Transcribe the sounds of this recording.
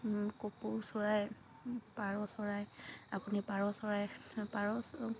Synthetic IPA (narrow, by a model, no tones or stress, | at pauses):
kopowsɔɹaj | paɹɔsɔɹajapunipaɹɔsɔɹajpaɹɔs